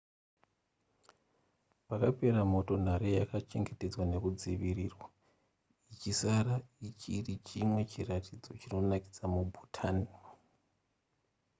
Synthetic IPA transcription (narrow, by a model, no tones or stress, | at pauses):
pakape̞ramo̞to̞n̤aɾejakat͡ʃe̞ŋɡe̞te̞d͡zwane̞kud͡ziʋiriːrwa | it͡ʃisaɾait͡ʃirit͡ʃimwe̞t͡ʃiratʰid͡zo̞t͡ʃino̞nakid͡zamubʱutʰaːni